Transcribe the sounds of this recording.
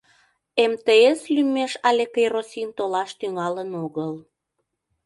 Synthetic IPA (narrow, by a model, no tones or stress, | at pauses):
emt̪eeslymeʃɑlʲekejrosʲint̪olɑʃt̪yŋɑlənoɣəl